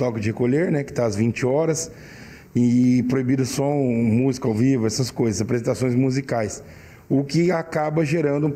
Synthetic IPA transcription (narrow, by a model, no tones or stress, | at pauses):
t̪ɔkɪd͡ʒɪhekoʎeɾnɛkɪ̥t̪aɐzvĩnt͡ʃɪɔɾɐs | ipɾoibid̪ʊsõmuzikɐawvivʊɛsɐskojzɐsapɾezẽt̪asõj̃zmuzikajs | ʊkɪakabɐʒeɾɐ̃nd̪ʊ